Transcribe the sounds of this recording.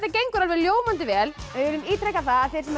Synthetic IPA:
t̪ːac̬ejŋkʏɾalvɪljoːwmant̪ɪvɛːlɪvɪlʏmiːt̪ɾɛkaθaaðθjɛɾ̥sɛma

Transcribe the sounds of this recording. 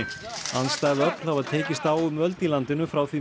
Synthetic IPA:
ɪanst̪aːɣðɪœplavaðt̪ʰeːjcɪst̪aːwʏmœlt̪ilant̪ɪnʏfɾawθi

